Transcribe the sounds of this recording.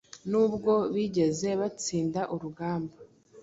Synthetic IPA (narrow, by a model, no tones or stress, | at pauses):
nuːbɡo̞βiɟe̞ze̞βat͡siːndaʔuɾuɡaːmba